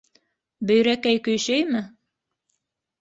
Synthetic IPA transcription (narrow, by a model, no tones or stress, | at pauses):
bɵ̆jɾækæjkɵ̆jʃæjmɘ